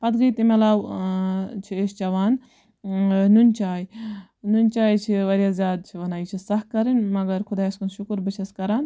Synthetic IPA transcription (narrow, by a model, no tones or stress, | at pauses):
pɐd̪ɡɐjt̪imɐlaːw | t͡ʃʰiest͡ʃɐʋaːn | nunʲt͡ʃaːj | nunʲt͡ʃaːjt͡ʃʰiʋɐɾjaːzʲjaːd̪̚t͡ʃʰiʋɐnaːit͡ʃʰisɐhkɐɾinmɐɡɐɾkʰʊd̪aːɐskɐnʃukɾbɨt͡ʃʰɐskɐɾaːn